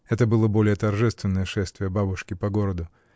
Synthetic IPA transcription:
ɛt̪əbɨlˠəbo̞lʲɪjət̪ɐrʐɛst̪vʲɪnːəjəʂɛst̪vʲɪjəbabʊʂkʲɪpɐɡoɾəd̪ʊ

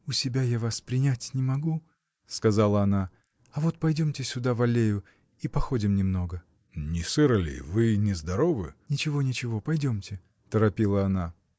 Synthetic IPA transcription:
ʊsʲɪbʲajavaspɾʲɪnʲatʲnʲɪmɐɡu | skɐzalˠəɐna | ɐvo̞t̪̚pɐjdʲomtʲɪsʲʊd̪avɐlʲejʊ | ipɐxo̞dʲɪmnʲɪmno̞ɡə | nʲɪsɨɾəlʲɪ̰vɨnʲɪzd̪ɐɾovɨ̰nʲɪt͡ɕɪvo̞nʲɪt͡ɕɪvo̞pɐjdʲo̞mtʲɪ | t̪əɾɐpʲilˠəɐna

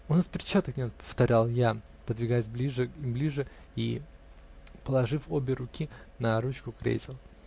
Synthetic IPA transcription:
ʊnaspʲɪɾʲt͡ɕːat̪əknʲet̪pə̥ft̪ɐɾʲalˠja | pəd̪vʲɪɡajɪs̬ʲblʲiʐɨblʲiʐɨ | i | pəlˠɐʐɨfobʲɪɾʊkʲinɐɾut͡ɕkʊkɾʲḛtʲɪlˠ

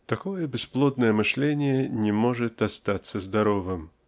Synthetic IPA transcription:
t̪akɔjɛbʲɛsplˠɔd̪nɐjɛmɨʂlʲenʲɪjɛnʲɛmɔʐɨt̪ast̪at̪sːɐzd̪aɾɔvɨm

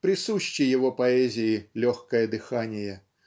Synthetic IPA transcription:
pɾɨsuɕʲt͡ɕijɐvɔpaɛzʲijilʲɔxkɐjɐd̪ɨxanʲɪjɛ

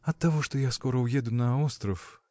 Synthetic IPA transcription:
ɐt̪ːavɔʂt̪ɔjaskɔɾɐwjɛd̪ʊnɐɔst̪ɾɐf

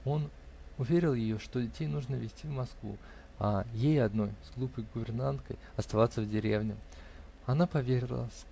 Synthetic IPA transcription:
o̞n | ʊvʲeɾʲɪlˠjɪjo̞ʂt̪o̞dʲɪtʲejnuʐnəvʲɪsʲtʲivmɐskvṵ | ɐjejɐd̪no̞jzɡlˠupəjɡʊvʲɪrnant̪kə̰jɐst̪ɐvat̪səvdʲɪɾʲḛvnʲɪ | ɐnapɐvʲeɾʲɪlˠə̰s

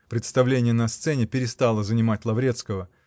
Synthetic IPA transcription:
pɾʲɪt̪st̪ɐvlʲenʲɪjənɐst̪sɛnʲɪpʲɪɾʲɪst̪alˠəzənʲɪmat̚ʲlˠɐvɾʲe̞t̪skəvə

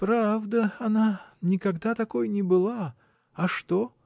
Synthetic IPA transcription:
pɾavd̪əɐnanʲɪkɐɡd̪at̪ɐkojnʲɪbɨlˠa | ɐʂt̪o

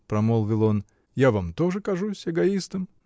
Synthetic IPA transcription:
pɾɐmolˠvʲɪlˠo̞n | javamt̪o̞ʐɨkɐʐusʲɛɡɐist̪əm

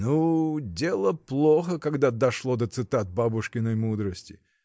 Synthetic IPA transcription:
nudʲe̞lˠəplˠoxəkaɡd̪ad̪ɐʂlˠod̪ət̪sɨt̪at̪̚babʊʂkʲɪnəjmud̪ɾəsʲtʲɪ

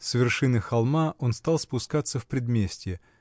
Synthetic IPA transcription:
svʲɪrʂɨnɨxalˠmaʔo̞nst̪alˠspʊskat̪sːəfpɾʲɪd̪mʲesʲtʲɪ

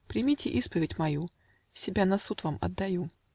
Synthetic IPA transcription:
pɾʲɪmʲitʲɪʔispəvʲɪtʲmɐju | sʲɪbʲanɐsut̪vamɐ̰d̪ːɐju

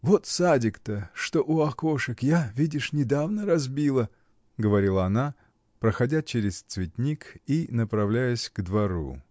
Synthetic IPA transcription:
vot̪sadʲɪkt̪əʂt̪oʔʊɐko̞ʂɨkjavʲidʲɪʂnʲɪd̪avnəɾɐzbʲilˠə | ɡəvɐɾʲilˠəɐna | pɾəxɐdʲat͡ɕeɾʲɪst̪svʲɪtʲnʲikinəpɾɐvlʲæjəsʲɡ̥d̪vɐɾṵ

